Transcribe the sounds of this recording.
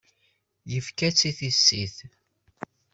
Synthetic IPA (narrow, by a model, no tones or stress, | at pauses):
jəfkæt͡sːiθisːiθ